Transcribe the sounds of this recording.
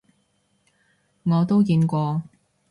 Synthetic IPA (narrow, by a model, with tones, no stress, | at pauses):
ŋɔː˨˧t̪o˥wkiː˧nkʷɔː˧